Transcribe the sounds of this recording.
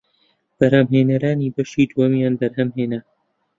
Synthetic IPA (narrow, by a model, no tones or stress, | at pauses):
b̥ɐɾhɐmɦeːnɐɾaːniːbɐʃiːd̪uwɐmjaːnbɐɾɦɐmɦeːnɐ